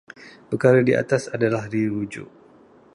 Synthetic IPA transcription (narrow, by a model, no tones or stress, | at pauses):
pəkaɾadiʔa̰t̪asadalahdiɾud͡ʒṵʔ